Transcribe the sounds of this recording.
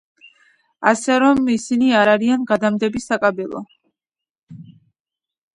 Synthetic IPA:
asɛɾɔmisiniaɾaɾianɡad̪amd̪ɛbisakʼabɛlˠɔ̰

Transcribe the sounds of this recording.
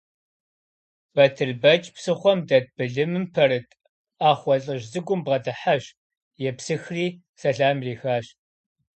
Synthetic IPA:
b̥ɐtʰɨrbɐt͡ʃʼpsɨχʷɔmdɐd̚b̥ɨɮɨmɨmpʰɐrɨtʰʼ | aːχʷɔɬʼɨʑzɨɡʷʊmbʁɐdɨħaɕ | jɛpsɨxriː | sɐɬaːmriːxaːɕ

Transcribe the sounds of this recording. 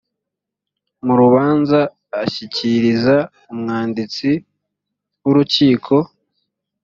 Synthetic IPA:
muɾuβaːnzaː | çiciɾiza | umŋaːndit͡si | wuɾuciːkʰo̞

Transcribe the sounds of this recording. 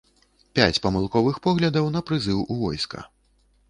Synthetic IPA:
pʲat͡sʲpɐmɨlˠkɔvɨxpɔɣlʲɐd̪ɐwn̪ɐpɾɨzɨwuvɔ̰jskɐ̰

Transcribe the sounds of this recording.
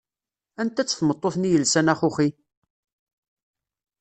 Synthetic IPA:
ænt̪æt͡sːθmət̪ˤːoθnijəlsænæχʊχi

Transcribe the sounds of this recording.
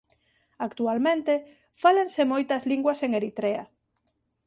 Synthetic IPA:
akt̪ualmẽnt̪e | falensemojt̪ɐzliŋɡwɐseŋeɾit̪ɾea̰

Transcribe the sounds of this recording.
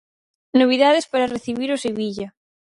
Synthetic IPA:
noβ̞iðaðespaɾareθiβiɾʊseβiʎɐ

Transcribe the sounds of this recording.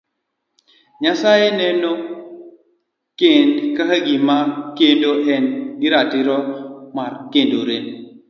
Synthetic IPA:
ɲasajenɛnɔ | kendkahaɡimakendoʔɛnɡiɾatiɾɔmaɾkendoɾen

